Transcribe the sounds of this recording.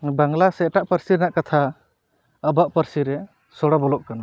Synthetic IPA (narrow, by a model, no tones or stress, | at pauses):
baŋlaseʈaʔpəɾsiɾnaʔkat̪ʰa | əbaʔpəɾsiɾe | sɔɽabɔlɔk̚kana